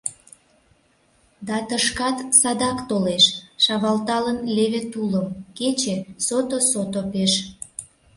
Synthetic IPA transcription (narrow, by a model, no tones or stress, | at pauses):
d̪ɑt̪əʃkɑt̪sɑd̪ɑkt̪oleʃʃɑβɑlt̪ɑlənleβet̪uləmket͡ɕesot̪osot̪opeʃ